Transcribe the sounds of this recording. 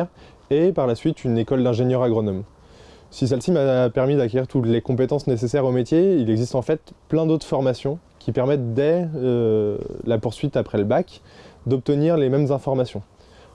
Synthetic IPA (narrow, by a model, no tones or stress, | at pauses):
epaʁlasɥit̪ynekɔld̪ɛ̃ʒenjœʁaɡʁɔnɔm | sis̬ɛlsimapɛʁmid̪akʲeʁiʁt̪ut̪lekɔ̃pet̪ɑ̃snesesɛʁomet̪jeilɛɡzist̪ɑ̃fɛt̪plɛ̃d̪ot̪χfɔʁmasjɔ̃ | kʲʰipɛʁmɛt̪̚d̪ɛ | lapuʁsɥit̪apχɛləbakd̪ɔp̚t̪əniʁlemɛmzɛ̃fɔʁmasjɔ̃